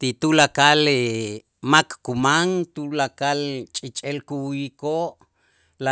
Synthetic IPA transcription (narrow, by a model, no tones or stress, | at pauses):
t̪it̪ulakale | makːumaŋt̪ulakalt͡ʃʼit͡ʃʼelkuwjikoːʔ | la